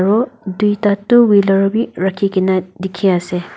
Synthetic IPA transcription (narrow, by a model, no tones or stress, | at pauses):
ɹɔdujtatuwilɔɹɔbiɹakʰikinadikʰiase